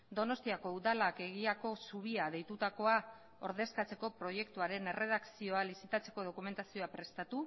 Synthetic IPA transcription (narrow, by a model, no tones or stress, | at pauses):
d̪o̞no̞st̪iako̞uðalake̞ɣ̞iako̞suβ̞iað̞e̞jt̪ut̪ako̞a | o̞ɾðe̞skat͡se̞ko̞pɾo̞je̞kt̪uaɾe̞ne̞re̞ð̞aksio̞alisit̪at͡se̞̥ko̞ð̞o̞kume̞nt̪asio̞apɾe̞st̪at̪u